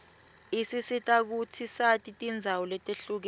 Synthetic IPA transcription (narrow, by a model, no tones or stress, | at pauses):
isisitʼak̬utʰisatʼitʼind͡zʱawɔlɛtʼeɬuk̬ɛ